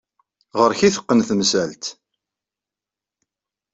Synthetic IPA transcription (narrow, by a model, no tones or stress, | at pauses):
ʁəɾçiθə̥qːənθmsælt̪